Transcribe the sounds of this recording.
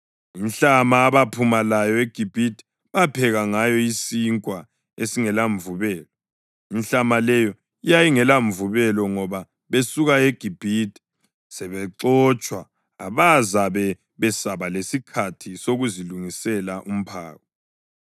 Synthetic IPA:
inɬamaːβapʰumalajɔeɡ̥ʱib̥ʱitʰʼi̥ | βapʰɛɣaŋajɔisiŋkʼwa | esiŋɛlaɱvuβɛːlɔ | inɬamalɛjɔ | ijajiŋɛlaɱvuβɛlɔŋɔβa | βesuɣaeɡ̥ʱib̥ʱitʰʼi̥ | sɛβɛǁɔt͡ʃʼwa̰ː | βazaβɛ | βɛsaβalesikʰatʰisoɣuziluŋisɛlaʔum̩pʰa̰ːɣɔ

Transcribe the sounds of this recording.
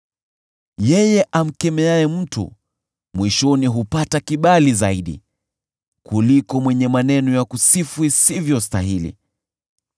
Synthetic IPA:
jɛjɛʔam̩kɛmɛajɛm̩tṵ | mwiʃɔniɦupatakiɓalizaiɗḭ | kulikɔmwɛɲɛmanɛnɔjakusifwisivjɔstaɦilḭ

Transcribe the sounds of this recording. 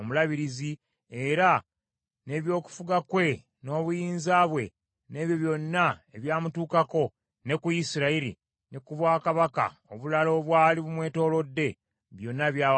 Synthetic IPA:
omulaβiɾizi | e̞ɾa | ne̞ːβjo̞ːku̥fuɡakwe̞ | no̞ːβujiːnzaːβwe̞̰ | ne̞ːβjo̞βjo̞nːaeβjaːmutuːkako̞ | ne̞kujisiɾaiɾḭ | nekuβwaːkaβaka̰oβulalo̞ːβwaːliβumwe̞ːto̞ːlo̞dːe̞ | βjo̞nːaβjaː

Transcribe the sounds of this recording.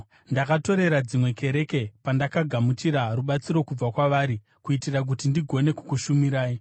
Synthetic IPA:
ndakato̞ɾe̞ɾad͡zimwe̞ke̞ɾe̞ke̞pandakaɡʱamut͡ʃiɾaruɓat͡siɾo̞kub͡vakwaʋaːɾi | kuitirak̬utindiɡʱo̞ne̞kukuʃumiɾaːi

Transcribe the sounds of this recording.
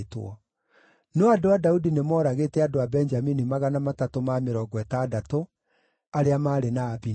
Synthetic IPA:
tw̰ɔ̰ | neɔadoadaudinemɔɾaɣetɛadoabɛnd͡ʒaminimaɣanamatatomameɾɔɡwɛtaːdato | aɾeamaːɾenaːbi

